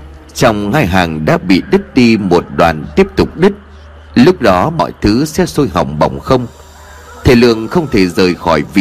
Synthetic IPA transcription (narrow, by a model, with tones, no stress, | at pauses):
t͡ɕɔ˧wŋ͡mhaː˧jɦaː˨˩ŋɗa̰ː˧˥ɓḭ˧˨ɗi˦˥k̚ɗi˧mo˨˩t̚ɗwa̰ː˨˩nt̪i˦˥əp̚t̪ʊ˨˩k͡p̚ɗi˦˥k̚ | lʊ˦˥k͡p̚ɗɔ˨˦mɔ̰˧˨jt̪ʰɨ˨˦sɛ̰˧˥so˧jɦa̰˨˧˩wŋ͡mɓa̰˨˩wŋ͡mxə˧wŋ͡m | t̪ʰe˨˩lɨ̰˧˨əŋxə˧wŋ͡mt̪ʰe˧˩zəː˨˩jxɔ˧˩jvḭ˧˨